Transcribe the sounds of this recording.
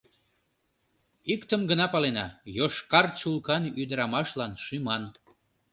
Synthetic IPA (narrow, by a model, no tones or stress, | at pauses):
ikt̪əmɡənɑpɑlenɑ̰joʃkɑrt͡ɕulkɑnyd̪əɾɑmɑʃlɑnʃymɑn